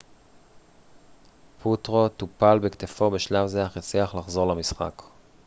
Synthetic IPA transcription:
pʰutʁo̞t̪upalbekt̪efo̞beʃlavzeaχjat͡sliaχlaχzo̞ʁlamisχa̰k

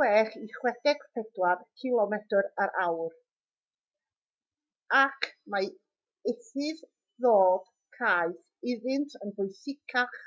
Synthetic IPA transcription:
wɛːχiχwɛd̥ɛɡ̥pʰɛd̥warkʰɪlˠɔmɛtəɾaɾʔawr | akʰma | ɪθɨð | ðoːd̥ | kʰaːɨθ | ɪðɪntʰənpʊjsɪkʰaχ

